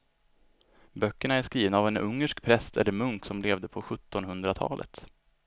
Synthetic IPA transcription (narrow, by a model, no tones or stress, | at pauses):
bœkːəɳaæʂkɾiːvnaːvɛnɵ̰ŋːəʂkpʰɾɛst̪ʰɛ̰lːəɾmɵŋksɔmleːvd̪əpʰɔɧɵt̪ːɔnhɵnd̪ɾat̪ʰɑ̰ːlʔə̰t̪